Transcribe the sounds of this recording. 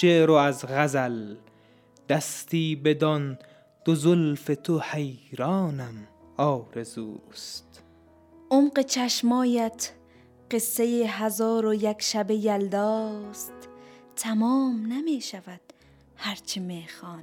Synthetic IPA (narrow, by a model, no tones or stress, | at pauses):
ʃeɾoæzɣæzæl | d̪̥æst̪iːbed̪ɒn | d̪̥ozolfet̪ʰohejɾɒːnæmɒːɾezuːst̪ | ʔomɢet͡ʃʰæʃmɒːjæt̪ʰ | ɢesːejeɦæzɒːɾojækʃæbejæld̪ɒːst̪t̪ʰæmɒːmnæmiʃævæd̪̥̚ | hæɾt͡ʃʰimexɒːn